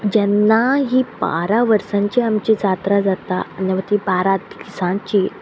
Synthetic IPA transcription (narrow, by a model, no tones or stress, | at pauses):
d͡ʑɛnːaɦiːba̰ɾaʋəɾsãɲt͡ɕiamt͡ɕid͡zat̪ɾad͡zat̪anɛʋat̪ibaɾat̪kisãt͡ɕiː